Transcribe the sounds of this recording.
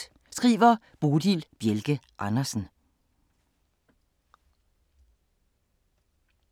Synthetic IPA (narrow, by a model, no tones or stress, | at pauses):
sɡ̥ʁḭːʋɐ | b̥oːd̥ilb̥jelɡ̥əʔɑnɐsn̩